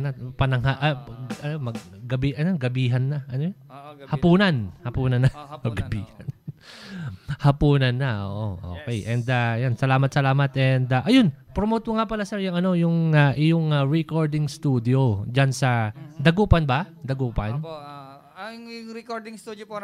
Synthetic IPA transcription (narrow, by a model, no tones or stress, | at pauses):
napɐnɐŋhaʔɐʔɐnomɐɡ̚ɡɐbiʔɐnoɡɐbiːɦɐnːɐʔɐnojhɐpuːnɐnhɐpuːnɐnːɐɐɡɐbiːhɐn | hɐpuːnɐnːɐʔo̰ːʔo̰ʔo̰ːkɛjʔɛnd̪ɐjansɐlaːmɐt̪sɐlaːmɐt̪ʔɛnd̪ɐʔɐjonpɾomoːt̪oŋapɐlasɛɹjʊŋɐno̞jʊŋaʔɪjoŋaɹɛkoɹd̪ɪŋst̪uːd̪ɪod͡ʒansɐd̪ɐɡuːpɐnbɐd̪ɐɡuːpɐn | ɐŋjʊŋɾɛkoɾd̪ɪŋst̪ud̪opo